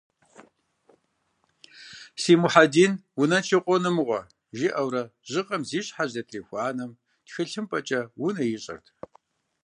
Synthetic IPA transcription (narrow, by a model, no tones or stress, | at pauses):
siːmuħadiːnwʊnɐnt͡ʃʰiqʷʼɔnɨmʁʷɔ̰ | ʒɪʔɐwɾɐʑɪqʼɐmziːɕʼħaʑɐtʰriːxʷɑːnɐm | txɨɬɨmpʼɐt͡ʃʼɐwʊnɐjɪɕʼɐ̰rtʰ